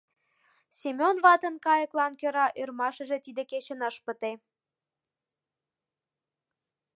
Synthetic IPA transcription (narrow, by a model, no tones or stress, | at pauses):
semʲonβɑt̪ə̆nkɑjəklɑnkøɾɑʔørmɑʃə̆ʒĕt̪id̪eket͡ɕə̆nəʃpə̆t̪e